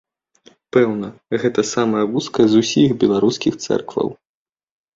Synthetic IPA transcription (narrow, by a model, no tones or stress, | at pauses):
pɛwnɐɣɛt̪ɐsamɐjɐvuskɐzusʲixbʲɛlˠaɾuskʲixt̪sɛ̰rkvɐ̰w